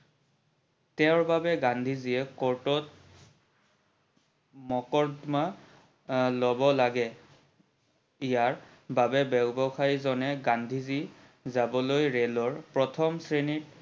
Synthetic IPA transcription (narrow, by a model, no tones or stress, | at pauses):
tɛʊɹbabɛɡandʱiziɛkɔɹtɔt̚ | mɔkɔɹdma | lɔbɔlaɡɛ | ijaɹ | babɛbɛɡbɔxʰajzɔnɛɡandʱizi | zabɔlojɹelɔɹpɹɔtʰɔmsɹenit